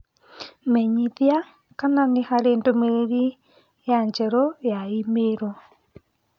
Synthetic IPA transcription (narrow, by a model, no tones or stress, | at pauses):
mɛɲiðja | kananehaɾeːndomeɾeɾi | jaɲd͡ʒɛɾɔjaimeɾɔ